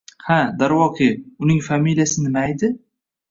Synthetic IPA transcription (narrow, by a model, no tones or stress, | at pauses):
had̪aɾwɒqʰɪʊnɪŋfamiljasɪnɪmajd̪ɪ